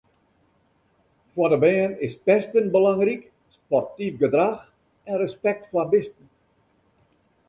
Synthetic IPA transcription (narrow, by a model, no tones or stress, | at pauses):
fwɔdəbɛənɪspɛstənbəlaŋrik | spɔrtifɡədrax | ɛnrəspɛk̚tflabɪstən